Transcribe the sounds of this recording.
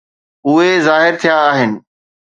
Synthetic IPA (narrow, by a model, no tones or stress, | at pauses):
ʊɦezaːɦɪɾt̪ʰijaːɦɪnɪ̆